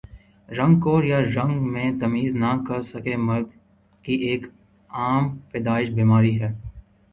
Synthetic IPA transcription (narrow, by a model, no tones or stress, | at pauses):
ɾɐ̃ŋɡkoːɾjaɾɐ̃ŋɡmẽt̪ɐmiːznakɐɾsɐkemɐɾd | kiʔeːk | aːmpɛːd̪aːɪʃbiːmaːɾiɦɛː